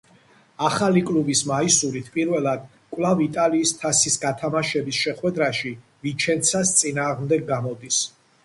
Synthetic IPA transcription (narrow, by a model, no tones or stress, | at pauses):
aχalikʼlubismaisuɾit̪ʰpʼiɾvɛlˠad̪ | kʼwlˠavit̪ʼaliːst̪ʰasisɡat̪ʰamaʃɛbisʃɛχwɛd̪ɾaʃi | vit͡ʃʰɛnt̪sʰast̪sʼinaːʁmd̪ɛɡːamɔd̪is